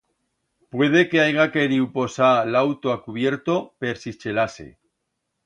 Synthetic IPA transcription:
pwe̞ð̞e̞ke̞ajɣake̞ɾiwpo̞salawt̪oakuβje̞ɾt̪o̞pe̞ɾsit͡ʃe̞lase̞̰

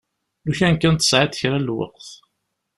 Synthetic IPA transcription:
luçænkːænt̪ːə̥sʕaθə̥çɾælːwə̰qθ

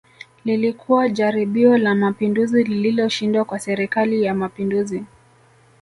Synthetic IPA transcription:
lilikʰuwad͡ʒaɾiɓiɔlamapinduzilililɔʃindwakwasɛɾikalijamapinduzi

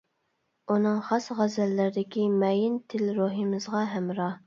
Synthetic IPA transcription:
unɨŋχɑsʁæzælːɪɾɪd̪ɪkʲimɛjɪnt̪ʰɪlɾuɦimɨzʁɑɦɛmɾɑ

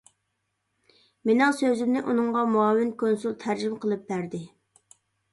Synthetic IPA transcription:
menɛŋsøzɪmnɪʔunɨŋʁɑmuɑːwɪnkʰonsulˠt̪ʰæɾd͡ʒymqəlˠɨp̚bæɾd̪ɪ

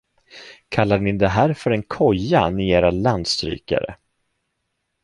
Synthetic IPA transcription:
kʰalːaɳɪd̪ɛɦæːɾfœɾɛnkʰɔjːanɪeːɾaland̪st̪ɾy̰ːka̰ɾə̰

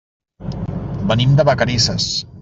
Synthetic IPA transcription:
bənimd̪əβəkəɾisəs

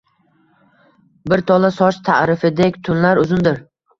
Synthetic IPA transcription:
bɪɾt̪ʰɒlˠasɒt͡ʃt̪ʰa̰ɾɪfɪd̪ekʲt̪ʰʊnlaɾʊzʊnd̪ɪɾ

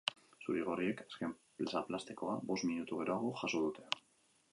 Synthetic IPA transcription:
suɾeɣ̞o̞rie̞kaske̞mplsaplast̪eko̞a̰bo̞st̪minut̪uɣe̞ɾoaɣ̞o̞ʝaso̞ð̞ut̪e̞̥

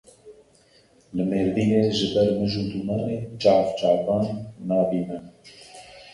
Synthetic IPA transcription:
lɨmeːɾviːneːʒɪbɛɾmɨʒuːd̪umɑːneːd͡ʒɑːvt͡ʃɑːvɑːnːɑːbiːnɛ

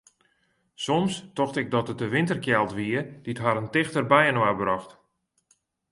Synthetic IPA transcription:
sɔmstɔxtɪɡ̚dɔtət̚dəʋɪntərkjɛlˠtʋiəd̥itɦaɾəntɪxtərbɛjənwabrɔxt

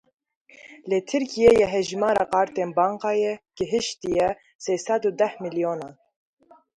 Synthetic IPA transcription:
leːt̪ʰɨɾkijeːjɛɦɛʒmɑːɾɑ̰ːqɑːɾt̪eːnbɑːŋqɑːjɛɡ̥əɦɨʃt̪ijɛ | seːsɛd̪uːd̪ɛhmilijoːnɑːn

